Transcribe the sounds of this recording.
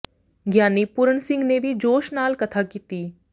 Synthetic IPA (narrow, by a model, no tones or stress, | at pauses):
ɡjaːniːpʊɾəɳsɪ̃ŋɡneːʋiːd͡ʒoːʃnaːlkət̪ʰaːkiːt̪iː